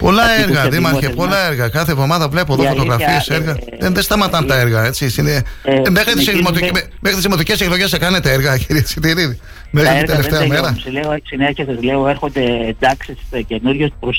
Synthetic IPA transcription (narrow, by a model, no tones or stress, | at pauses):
po̞lɐeɾɣɐðimɐçeppo̞lɐe̞ɾɣɐkɐθevðo̞mɐðɐvle̞poðofot̪o̞ɣɾɐffieseɾɣɐ | ðenðest̪ɐmɐt̪ɐnt̪ɐeɾɣɐe̞t͡sisinemexɾit̪isiimot̪ime | mexɾit̪isðimot̪ice̞seklo̞ʝe̞stekɐne̞t̪eeɾɣɐciɾiet͡sit̪iɾiði | meɣit̪eet̪eɐme̞ɾɐleosineçesɐzleoeɾxond̪eːnd̪ɐksiscenuɾʝost̪pɾos